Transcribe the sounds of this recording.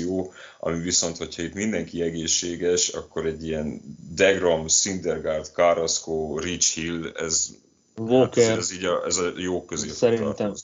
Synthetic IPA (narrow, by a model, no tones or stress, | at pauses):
oːɒ̰miviso̞nt̪ho̞chɒit̪mind̪ɛŋkiɛɡeːʃːeːɡɛʃɒ̰kːo̞ɾɛɟːijɛnd̪ɛɡromsind̪ɛrɡart̪kaːɾɔskoːrit͡ʃhilɛ̰z | oɛziːɟɒʔɛzɒjoːkːøzeːsɛɾit̪ɛm